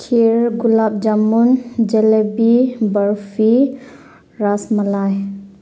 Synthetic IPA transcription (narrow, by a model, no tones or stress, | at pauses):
kʰiɾɡulap̚d͡ʒamund͡ʒɛlebibəɾfʰi | ɾasmalaj